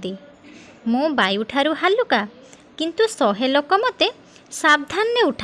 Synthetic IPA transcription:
t̪i | mũbajuʈʰaɾuɦaluka | kint̪usɔɦelokɔmɔt̪e | sab̚d̪ʱanːeuʈʰ

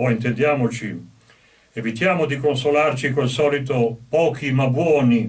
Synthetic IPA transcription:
ɔint̪end̪jaːmot͡ʃi | evit̪jaːmod̪ikonsolart͡ʃikwelsɔːlit̪opɔːk̟imabwɔːni

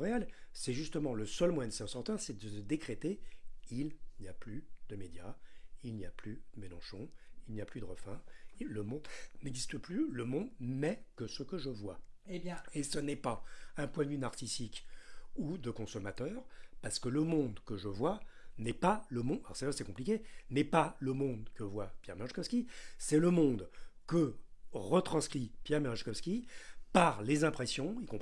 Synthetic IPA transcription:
ʁealsɛʒyst̪əmɑ̃ləsœlmwɛ̃d̪əseɑ̃sɔʁt̪œʁsɛd̪əsəd̪ekχet̪eilnijaplyd̪əmed̪jailnijaplyd̪̥əmelɑ̃ʃɔ̃ilnijaplyd̪əʁəfɛ̃ləmɔ̃d̪nɛɡzist̪əplyləmɔ̃d̪mɛkəsəkəʒəvwaj̃esənɛpaɛ̃pwɛ̃ynaʁsisikud̪əkɔ̃sɔmat̪œːʁpaʁsə̥kələmɔ̃d̪kəʒəvwanɛpaləmɔ̃aɔ̰ʁsaʒasɛkɔ̃plikʲenɛpaləmɔ̃d̪kəvwapjɛ̰ʁmɛʁʒkɔfskʲisɛləmɔ̃d̪kəʁət̪χɑ̃skχipjɛʁmɛʁʃkɔfskʲipaʁlezɛ̃pχesjɔ̃ikɔ̃p

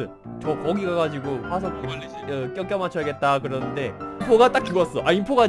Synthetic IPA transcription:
ɯn | t͡ɕʌkʌɡiɡaɡad͡ʑiɡohasʰʌe | ʌk͈jʌŋkjʌmat͡ɕʰʌjɡe̞t̚t͈akɯɾʌnɯnde̞ipʰoɡat͈ak̚k͈ːiɡas͈ʌʔaimpʰoɡa

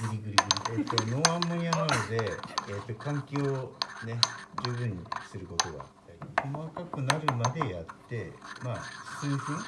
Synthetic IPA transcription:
ɡɯ̟ɾʲiɡɯ̟ɾʲiɡɯ̟ɾʲiet̪ːono̞ːãmbõɰ̃janoaod̪e̞ːt̪ːo̞kãŋkʲooːne̞d͡ʑɨːbɯ̟̃ɲ̟ːḭsɨɾɯ̟ko̞t̪o̞ɡa̰a̰t̪ːaɾʲiko̞makakɯ̟naɾɯ̟mad̪e̞jat̪ːe̞mḁːsɨɸɯ̃

